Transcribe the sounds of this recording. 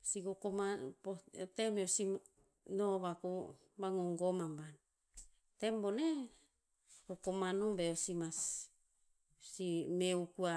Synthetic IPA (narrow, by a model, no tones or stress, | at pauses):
siɡokomapot̪emeosi | noβaku | baŋoŋɡomamban | t̪embone | ɡokomanobeosimas | simeukua